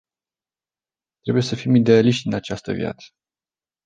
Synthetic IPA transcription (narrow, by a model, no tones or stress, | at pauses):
t̪ɾe̞buje̞səfimid̪e̞aliʃt̪ʲinat͡ʃast̪ə̰vja̰t̪sə̥